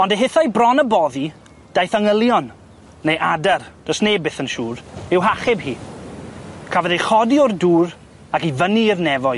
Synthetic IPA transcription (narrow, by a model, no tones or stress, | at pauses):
ɔndeɦɪθajbrɔnəbɔði | d̥ajθaŋəlˠjɔnː | ejʔadard̥ɔsneːbɪθənʃuːrɪwɦaχɛbhiː | kʰavəðejχɔdiɔrduːr | akivənirnɛvɔ